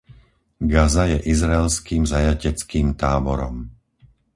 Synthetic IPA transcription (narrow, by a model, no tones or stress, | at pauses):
ɡazajɛʔizɾaɛlskiːmzajacɛt͡skiːmt̪aːbɔɾɔm